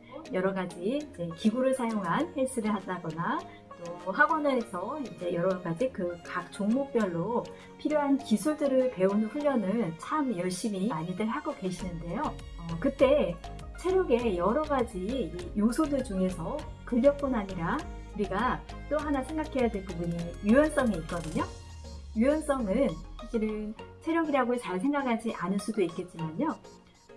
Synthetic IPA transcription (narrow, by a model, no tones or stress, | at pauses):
jʌɾʌɡad͡ʑiid͡ʑe̞kiɡuɾɯɭsʰajoŋɦanhes͈ʰɯɾɯɭɦhadaɡʌna | t͈ohaɡwʌnɯɦesʰʌind͡ʑe̞jʌɾʌɡad͡ʑikɯkak̚t͡ɕoŋmok̚p͈jʌɭːo | pʰiɾjoɦankisʰuɭdɯɾɯɭpe̞unɸuʎːʌnɯnt͡ɕʰamjʌɭɕ͈imiaɲidɯɭɦaɡoke̞ɕʰinɯnde̞jo | ʌkɯt͈e̞ | t͡ɕʰe̞ɾjoɡe̞jʌɾʌɡad͡ʑiijosʰodɯɭd͡ʑuŋe̞sʰʌ | kɯʎːʌk̚p͈unɦaɲiɾa | uɾiɡa | t͈oɦanasʰe̞ŋɡakʰe̞jadweɭpobunɯnjujʌns͈ʌŋiit̚k͈ʌdɯɲo | jujʌns͈ʌŋɯnsʰakɕ͈ʰiɾɯnsʰe̞ɾjoɡiɾaɡot͡ɕaɭs̬ʰe̞ŋɡakʰad͡ʑiʔanɯɭs͈udoik͈e̞t̚t͡ɕ͈imaɲo